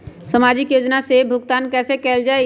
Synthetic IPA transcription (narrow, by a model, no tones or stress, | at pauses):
səmad͡ʒɪkjoːd͡ʒnasebʱʊɡt̪aːnkɛːsekɛld͡ʒae